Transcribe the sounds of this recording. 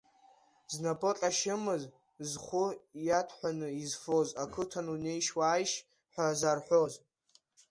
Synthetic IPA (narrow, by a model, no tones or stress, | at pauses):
znapʼot͡ɬʼaʃɪmɨz | zχʷʊjatʰħʷᶣanɨizfozakʰɨtʰanune̞jʃwaːjʃ | ħʷᶣazarħʷᶣoz